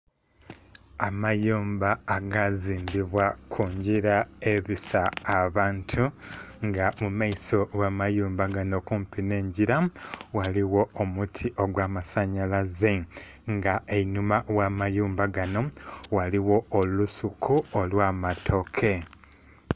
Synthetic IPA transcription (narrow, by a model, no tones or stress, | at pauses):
amajuːmbaːɡaziːmbiβwakʰuɲɟiɾae̞βisaːβaːntʰuŋɡamumaiso̞ɡamajuːmbaɡano̞kumpine̞ːɲɟiɾawaliwo̞omutʰiʔo̞ɡwaːmasaɲalaze | ŋɡaenumawaːmajuːmbaɡano̞waliwo̞ːlusukʰuolwaːmatʰo̞kʰe̞